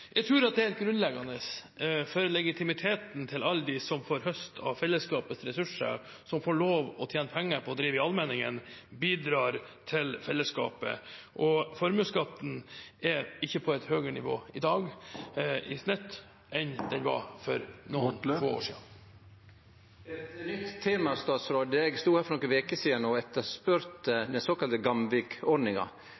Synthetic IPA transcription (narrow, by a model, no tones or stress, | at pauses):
jʔæɪt̪ʰɾʉːɾɑt̪̚d̪ɛæt̪̚ɡɾʉnlɛɡɑnəsfɔɾlɛɡɪt̪ʰɪmɪt̪ʰeːt̪n̩t̪ʰɪlɑlːd̪ɪsɔmfoːɾɦœst̪ʰɑ̰ʋfɛlːəskɑːpəsɾɛsʉʂə̰ɾ | sɔmfoːɭoːʋɔt̪ʰjeːnəpʰɛŋːəɾpʰɔɔd̪ɾiːʋəɪɑlmɛnɪŋə̰nbiːd̪ɾɑːɾt̪ʰɪlfɛlːəskɑ̰ːpə̰ʔɔfɔɾmʉːskɑt̪ːn̩ɛɪçːəpʰɔɛt̪høːɡəɾnɪʋo̰ːɪd̪ɑːɡ | ɪsnɛt̪ː | ʔɛnd̪ɛnʋɑ̰fɔɾnoːnfo̰ːo̰ːʂḭːn | ɛt̪nʏt̪ʰːeːmɑst̪ɑːt̪sɾoːd̪əɛɡst̪uːhæːɾfɔnɔkːənʋeːkəsiːənɔɛt̪ːəspœɾt̪d̪ɛnsoːkɑlt̪əɡɑmʋɪkɔɖnɪŋɑ̰